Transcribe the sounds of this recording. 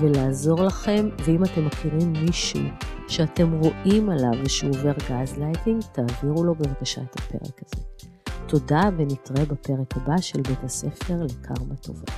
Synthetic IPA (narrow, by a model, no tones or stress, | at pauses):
velaːzo̞ʁlaχe̞mveimate̞mːakʰiʁimːiʃḭʃeate̞mʁo̞ʔimalavʃeove̞ʁɡazlajtiŋɡtaːviʁulo̞bevkaʃa̰ethape̞̰ʁḛkaz̥e | tʰo̞davenitʁebape̞ʁekhabaʃelbethase̞fe̞ʁlekʰa̰ʁmatʰo̞̰va̰